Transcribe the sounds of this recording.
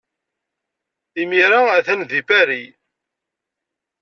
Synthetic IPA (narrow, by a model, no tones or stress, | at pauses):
imiɾaæθænðifæɾi